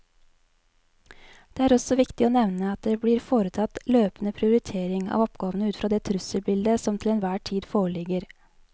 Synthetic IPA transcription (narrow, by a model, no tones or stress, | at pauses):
d̪̥eːæːɾɔsɔʋɪkt̪ɪoːnɛʋnəɑt̪̚d̪eːbɽiːɾfoːɾət̪ʰɑt̪løːpən̩əpʰɾɪʊɾɪt̪ʰeːɾɪŋɑ̰ːʋɔpɡɑːʋənəʉːt̪fɾɑːd̪eːt̪ʰɾʉsəbɪld̪əsɔmt̪ʰɪlɛːnʋæːʈʰiːd̪foːɭɪɡəɾ